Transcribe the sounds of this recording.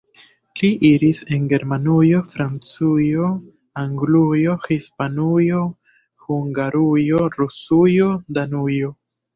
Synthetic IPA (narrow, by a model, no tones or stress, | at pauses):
liʔiɾise̞nɡe̞ɾmanujo̞fɾant͡sujo̞ | aŋɡlujo̞hispanujo̞ | huŋɡaɾujo̞ɾusujo̞danujo̞